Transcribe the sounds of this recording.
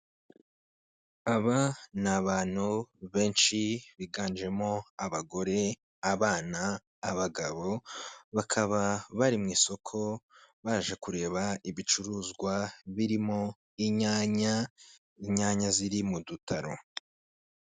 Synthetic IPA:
aβanaβaːn̥huβe̞ːnʃiβiɡaːnd͡ʒe̞mo̞aβaɡo̞ɾe̞ | aβaːnaː | βaɡaβo̞βakʰaβaβaɾimŋiːso̞kʰo̞βaːʒe̞kuɾe̞ːβaiβit͡ʃuɾuːzɡwaβiɾimo̞ | iɲaːɲa | iɲaːɲaziɾimudutʰaɾo̞̰

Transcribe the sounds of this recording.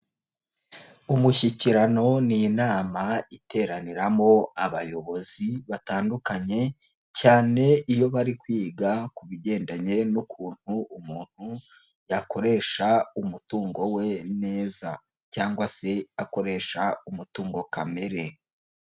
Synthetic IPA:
umuçiciɾano̞ninaːmaite̞ːɾaniɾamo̞aβajo̞βo̞ziβataːndukaɲe̞ | caːne̞ijo̞βaɾikwiːɡakuβiɟe̞ːndaɲe̞nukʰuːn̥huumuːn̥hu | jakʰo̞ɾe̞ʃaumutuːŋɡo̞we̞ne̞ːza | caːŋɡwase̞ako̞ɾe̞ːʃaumutuːŋɡo̞kame̞ɾe̞

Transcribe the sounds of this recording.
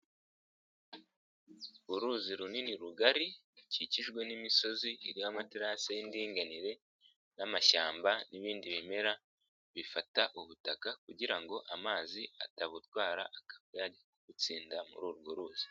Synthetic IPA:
uɾuːziɾuniniɾuɡaɾi | ciciʒɡwe̞nimiso̞ziiɾiwamatiɾasajindiːŋɡaniɾe̞ | namaʃaːmbaniβiːndiβime̞ɾa | βifataʔuβutakakuɟiɾaŋɡo̞ʔamaːzia̰taβutwaːɾaʔakḁkejaɟekoɡ̥ut͡siːndamṵɾuːɾuɡoɾuːz̥i̥

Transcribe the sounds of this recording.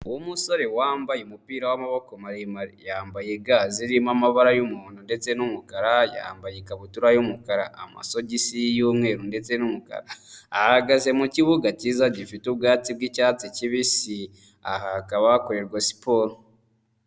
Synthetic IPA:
uwomuso̞ɾewaːmbajemupiːɾawamaβokomaɾemaɾijaːmbajeɡaziɾimamaβaɾajumuːn̥unde̞t͡se̞numukaɾaja̰mbajekaβutuɾajumukaɾaa̰ma̰so̞ɟisijuːmŋe̞ːɾunde̞t͡se̞numuka̰ɾaːhaɡaze̞muciβuɡacizaɟifitub̚ɡaːtib̚ɡicaːt͡siciβisi | ahakaβakoɾe̞ɾɡasi̥po̞ɾo

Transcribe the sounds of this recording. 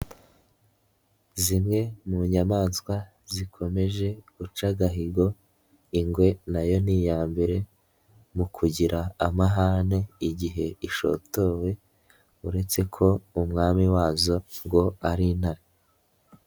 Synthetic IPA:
zimŋe̞muɲamaːnskwa | zikʰo̞me̞ʒe̞ɡut͡ʃaɡaɦiɡo̞ | iŋɡwe̞najo̞niːjaːmbeɾe̞ | mukʰuɟiɾaːmaɦane̞iɟiɦe̞iʃo̞̰to̞ːwe̞ | uɾe̞t͡se̞kʰo̞umŋaːmiwaːzo̞ŋɡo̞aɾinhaɾi

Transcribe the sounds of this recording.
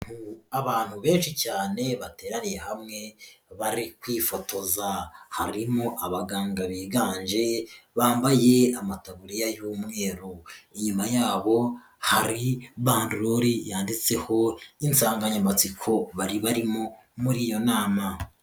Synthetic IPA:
uaβaːn̥huβe̞ːnʃicaːne̞βate̞ːɾanijehamŋe̞βaɾikwiːfo̞to̞zahaɾimoʔaβaɡaːŋɡaβiːɡaːɲd͡ʒe̞βaːmbaje̞amataβuɾijajuːmŋe̞ːɾoiɲumajaːβo̞ | haɾiβaːnduɾoɾijaːndit͡se̞ho̞insaːŋɡaɲamat͡sikʰo̞βaɾiβaɾimo̞ | muɾiːjo̞naːma

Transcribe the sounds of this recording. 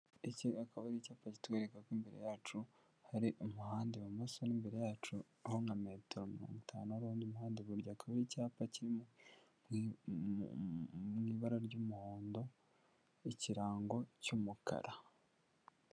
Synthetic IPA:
iciakaβaɾicaːpaci̥tweːɾekakwimbeɾe̞̰jaːt͡ʃu | haɾiʔomuhaːndeβamasonimbeɾe̞jaːt͡ʃu | ahoŋɡame̞ːteɾomiɾo̞̰ːŋɡutʰaːnuaɾuːndiumuhaːndeβuɾɟaːkaβaɾicaːpaciɾim | mŋiːβaɾaɾɟumuhoːndo̞ | iciɾaːŋɡo̞cumuka̰ɾa

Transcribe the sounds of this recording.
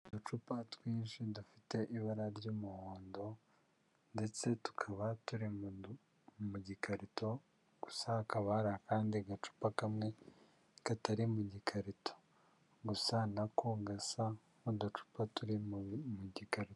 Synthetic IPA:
dot͡ʃupatwiːnʃidufite̞ʔiβaɾaɾɟomuhoːndo̞ | nde̞t͡se̞tu̥kʰaβatuɾi | muɟikʰaɾito̞ | ɡ̥usakaβaɾakaːndiɡat͡ʃu̥pakamŋe̞ | kataɾimuɟikʰaɾitʰo̥ | ɡusanakoɡasa | odot͡ʃu̥patuɾimuɟikaɾito

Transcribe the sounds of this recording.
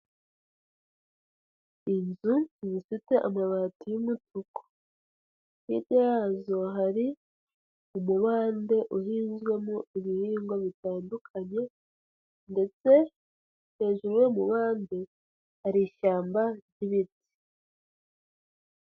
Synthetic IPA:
inzuzifite̞ʔamaβaːtujumutuko̥ | nḭdjajazo̞ɦaɾi | umuβaːnde̞ʔuɦiːnzɡwe̞muiβihiːŋɡwoβitaːndukʰaɲe̞ | nde̞t͡se̞ | he̞ːʒuɾuje̞muβaːnde̞ | haɾiʃaːmbaɾɟiβiti̥

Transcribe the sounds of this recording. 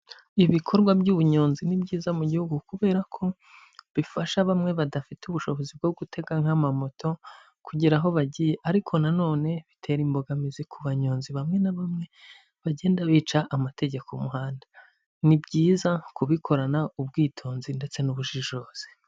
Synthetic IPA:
iβikʰo̞ɾɡwabɟuːβuɲoːnzinibɟiːzamuɟihuɡukuβe̞ːɾakʰo̞ | βifaʃaβamŋe̞βadafituβuʃo̞βo̞zib̚ɡo̞ɡutʰe̞ɡaŋhamamo̞tʰo̞ | kuɟiɾaɦo̞βaɟijeʔaɾikʰo̞nano̞ːne̞βitʰe̞ɾimbo̞ɡamizikʰuβaɲoːnziβamŋe̞naβamŋe̞ | βaɟe̞ːndaβiːt͡ʃaʔːmate̞ɟe̞komuhaːndḁ | nibɟiːzakuβikʰo̞ɾanaub̚ɡiːtʰo̞ːnzinde̞t͡se̞nuβuʒiʒoːz̥e̥

